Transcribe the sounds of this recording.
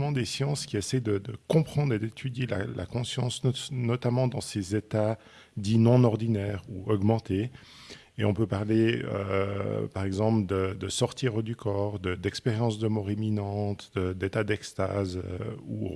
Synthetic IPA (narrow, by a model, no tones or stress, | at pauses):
mɑ̃d̪esjɑ̃skʲiɛsɛjd̪əd̪əkɔ̃pχɑ̃d̪ʁed̪et̪ʰyd̪jela̰lʔa̰kɔ̃sjɑ̃snɔsnɔt̪amɑ̃d̪ɑ̃sezet̪a | d̪inɔ̃nɔʁd̪inɛːʁuɔɡmɑ̃t̪e | eɔ̃pøpaʁleø̰paʁɛɡzɑ̃pld̪əd̪əsɔʁt̪iʁd̪ykʰɔːʁd̪əd̪ɛkspɛʁjɑ̃sd̪əmɔʁiminɑ̃t̪d̪̥əd̪et̪ad̪ɛkst̪az̰ṵ